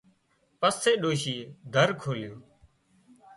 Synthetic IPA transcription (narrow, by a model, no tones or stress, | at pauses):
pəseːɗoːʃiːd̪ʱəɾkʰoːljoː